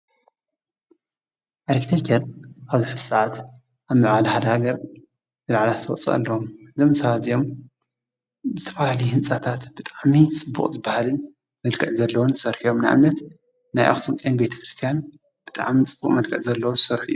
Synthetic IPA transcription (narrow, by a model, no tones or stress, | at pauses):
ʔaɾkt̪ʰet̪ʰɐɾaβziħɨ̥saʕat̪ | ʔaβmɨʕalɐhad̪ɐhaɡɐɾ | zɨlaʕlazt̪ʰɐwɔt͡sʼɐ̰ʔɐ̰lːɐwomɨzomsɐβat̪zijo̞m | zzɨt̪ʰɐ̥falalɐjhɨnt͡sʼat̪ʰat̪b̥ɨt̪ʼaʕmit͡sʼɨbːṵχʼzɨbːahalɨn | mɐlkʰɐʕzɐlːɐwonsɐɾħijo̞mnaʔa̰mnɐt̪ | najʔa̰xt̪ʰomt͡sʼenbe̞t̪ʰɐ̥kɾɨst̪ʰijan | b̥ɨt̪ʼa̰ʕmit͡sʼɨbːuχʼmɐlkʰɐʕzɐlːɐwosɐɾħjːu